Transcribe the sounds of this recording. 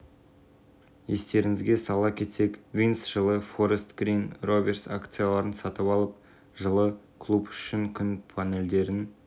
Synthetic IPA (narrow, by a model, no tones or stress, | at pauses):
je̞st̪e̞ɾɪŋɪzɡʲe̞sɑlˠɑkʲʰe̞t̪se̞kvijnsʒ̥əlˠəfo̞ɾest̪ɡ̥ɾijnro̞vʲe̞rsakt̪sɨjalˠɑɾənsɑt̪əpɑlˠəp̚ | ʒəlˠəkʰlˠupʏ̥ʃɪŋkʲʰʏnpʰane̞ld̪e̞ɾɪn